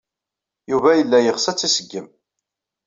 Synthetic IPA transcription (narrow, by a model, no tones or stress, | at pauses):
juvæjəlːæjəʁsæt͡sːisəɡːəm